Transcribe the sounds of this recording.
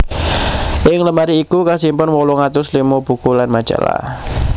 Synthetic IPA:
ʔɪŋləmaɾiːkukasimpʊnwolɔŋat̪ʊslimob̥ṳkulanmḁd͡ʒ̥a̰la̰h

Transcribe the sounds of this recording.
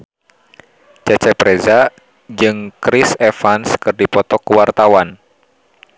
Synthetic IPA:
t͡ʃɛt͡ʃɛpɾeza | d͡ʒɨŋkɾisɛfanskɨrdipɔt̪ɔkuwart̪awan

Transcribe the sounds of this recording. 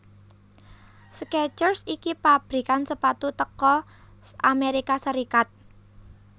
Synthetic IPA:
skɛt͡ʃərsikipab̥ɾi̤kansəpat̪ut̪əkɔ | ʔameɾikasəɾikat̪̚

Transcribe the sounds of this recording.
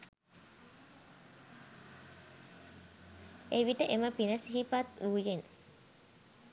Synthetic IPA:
eʋiʈəʔeməpinəsiɦipat̪uːjen

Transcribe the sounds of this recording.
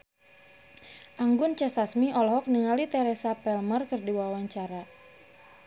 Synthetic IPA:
ʔaŋɡʊnt͡ʃɛsasmiʔɔlɔɦɔk̚niŋalit̪ɛɾɛsapɛlmərkɨrdiwawaɲt͡ʃaɾa

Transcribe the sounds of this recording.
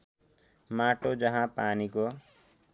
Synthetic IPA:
maʈod͡zʌɦãpaniko

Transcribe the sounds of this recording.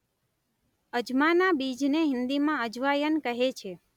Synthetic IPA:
əd͡ʒmanabid͡ʒneɦɪ̃nd̪imãəd͡ʒʋajənkəɦet͡ʃʰe

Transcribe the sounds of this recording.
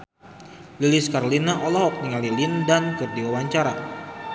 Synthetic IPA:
lilɪskaɾolinaʔɔlɔhɔk̚niŋalilindankɨrdiwawaɲt͡ʃaɾa

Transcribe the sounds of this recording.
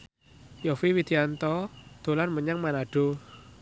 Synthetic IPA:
jɔfiwid̪̥i̤ant̪ɔd̪̥o̤lanməɲaŋmanaɖ̥o̤

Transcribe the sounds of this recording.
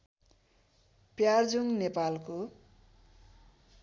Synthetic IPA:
pjard͡zuŋnepalko

